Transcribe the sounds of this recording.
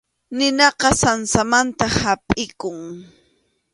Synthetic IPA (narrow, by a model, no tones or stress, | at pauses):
nɪnɑqɑsansamant̪ahapʼɪkʊŋ